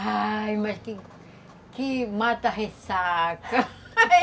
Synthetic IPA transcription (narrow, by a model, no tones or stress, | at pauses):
ajmaʃki | kimat̪aɦesaka